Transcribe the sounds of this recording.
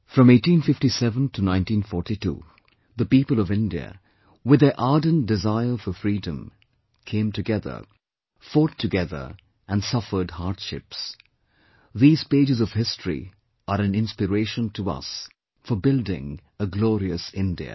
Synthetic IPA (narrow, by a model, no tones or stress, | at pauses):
fɹʌ̃meɪtĩnfɪftisɛvə̃ntʰɨnãɪ̃ntĩnfɔɹtitṵː | ðəpiːpəl̩ˠʌvɪ̃ndiɨ̰ | wɪðɨʔaːdnd̥ɪzaɪə˞fəfɹidə̃m | kʰẽɪ̃mtɨɡɛðə̰˞ | fɔtʰːɨɡɛðə̰˞ | ɨ̃nsʌfə˞d̚haɹdʃɪ̰ps | ðiːz̥peɪd͡ʒɨzʌv̥hɪstɹ̥ḭ | ʔəɾɨ̃nɪ̃nspɨɹeɪʃə̃ntʰəʌ̰s | fə˞bɪlˠdɪ̰̃ŋ | əɡlɔɹiɨsɪ̃ndḭɨ̰